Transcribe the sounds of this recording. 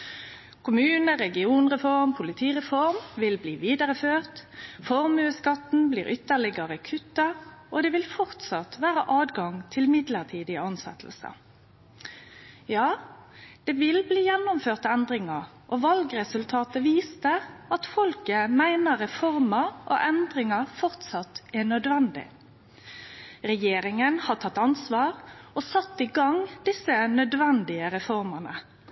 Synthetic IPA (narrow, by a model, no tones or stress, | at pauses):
kʰʊmʉːnəɾɛɡɪuːnʁɛfɔʁmpʰʊlɪt̪ʰiːʁɛfɔʁmʋɪlbliːʋiːd̪əʁəføːʁt̪fɔʁmʉːskɑt̪n̩blḭːʁʔʏt̪ːəʁɭɪɡəɾəkʰʉt̪ːɑʔod̪ɛʋɪlfɔʁt̪sɑt̪ʋæːʁəʔɑːd̪ɡɑŋt̪ʰɪlmɪd̪ləʁt̪ʰiːd̪ɪəɑnsɛ̰t̪ʰl̩sə̰ | jɑːd̪̥ɛʋɪlbliːjɛnːʊmføːʁt̪əɛnd̪ʁɪŋɑ | ʔoʋɑlɡʁɛsʉlt̪ʰɑːt̪əʋiːst̪əɑt̪fɔlkəmæɪnəʁɛfɔʁməʔo̰ːʔɛnd̪ʁɪŋɑfɔʁt̪sɑt̪ɛnœd̪ʋɛnd̪ɪ̰ | ʁɛjeːɾɪŋənhɑt̪ʰɑt̪ːɑnsʋɑːʁosɑt̪ːɪɡɑŋd̪ɪsːənœd̪ʋɛnd̪ɪəɾɛfɔʁmənə